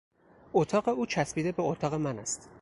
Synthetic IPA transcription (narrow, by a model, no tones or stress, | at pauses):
ot̪ʰɒːɣe̞uːt͡ʃʰæsbiːd̪ebeot̪ʰɒːɣe̞mænæst̪